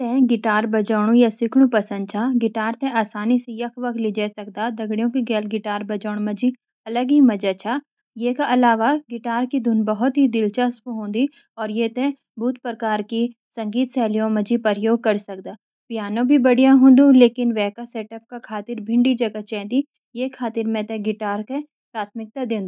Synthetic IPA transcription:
t̪ɛ̃ːɡɪʈaːɾbɐd͡ʒɔːɽ̃ũjasɪkʰɽ̃ũpɐsə̃nd̪̚t͡ʃʰaɡɪʈaːɾt̪ɛ̃ʔaːsaːnisejɐkʰʋɐk̪ʰlid͡ʒɛsɐk̚d̪ad̪ɐɡɽijõkiɡɛːlɡɪʈaːɾbɐd͡ʒɔːɽ̃mɐd͡ʒi | ɐləɡɦimɐd͡ʒat͡ʃʰaː | jeːkaʔɐlaːʋaɡɪʈaːɾkid̪ʱʊnbɐɦʊt̪ɦid̪ɪlt͡ʃaspɦõːnd̪i | ɔːɾjeːt̪ẽ | bʱuːt̪ʰpɾəkaːɾkisɐ̃ŋɡiːt̪sɛːlijõmɐd͡ʒipɐɾjoːɡ̚kɐɾsɐk̚d̪aː | pijaːnõbʱibɐɽijãɦõːnd̪ũleːkɪnʋɛːkaseːʈəp̚kakʰaːt̪ɪɾbʱɪ̃ɳɖid͡ʒɐɡat͡ʃɛ̃ːnd̪i | jeːkʰaːt̪ɪɾmɛ̃t̪ẽɡɪʈaːɾke | pɾaːt̪̚ʰmɪk̚t̪ad̪ẽːnd̪u

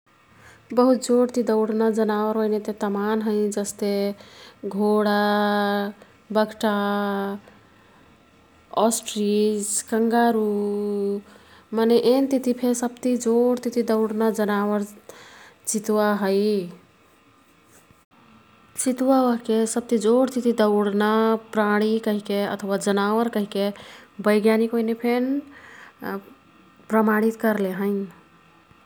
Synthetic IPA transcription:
bəɦut̪̚d͡ʒoɽt̪id̪əʊɽnad͡ʒənaʋəɾəjnet̪et̪əmanɦəɪd͡ʒəst̪e | ɡʱoɽa | bəɡʈa | ɔsʈɾiskəŋɡaɾu | maneʔent̪it̪ipʰesəb̚t̪id͡ʒoɽt̪it̪id̪əʊɽnad͡ʒənawəɾ | t͡ʃit̪waɦəj | t͡ʃit̪waəɦkesəb̚t̪id͡ʒoɽt̪it̪id̪əʊɽnapɾaɽ̃ikəɦikeə̰t̪ʰəwad͡ʒənaʋəɾkəɦikebəjɡjanikoinepʰen | pɾəmaɽ̃it̪kəɾleɦə̃ɲ

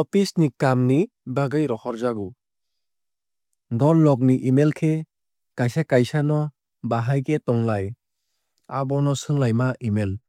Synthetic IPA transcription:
ɔpʰisnikamnibaɡajɾɔhɔɾzaɡu | dɔllɔk̬̚niʔimelkʰe | kajsakajsanɔ | baɦajketɔŋlaj | abɔnɔsɯŋlajmaʔimel

